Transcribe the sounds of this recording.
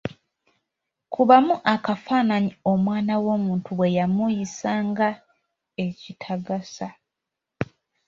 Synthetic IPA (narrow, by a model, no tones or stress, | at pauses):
kuβamuʔakafaːnaɲio̞mwaːnawo̞ːmuːntuβwe̞jamujisaːŋɡa | e̞citʰaɡasa